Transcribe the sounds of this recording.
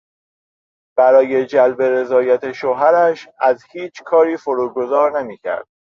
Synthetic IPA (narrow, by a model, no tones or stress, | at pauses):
b̥æɾɒːje̞d͡ʒælbe̞ɾe̞zɒːjæt̪ʰe̞ʃoɦæɾæʃæzhiːt͡ʃʰkʰɒːɾiːfoɾuːɡo̞zɒːɾnemiːcʰæ̰ɾd̪̥